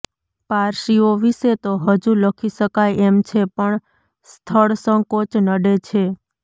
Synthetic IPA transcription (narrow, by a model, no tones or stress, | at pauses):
paɾʃioʋiʃet̪oɦəd͡ʒuləkʰiʃəkajemt͡ʃʰepəɳ | st̪ʰəɭsə̃ŋkot͡ʃnəɖet͡ʃʰe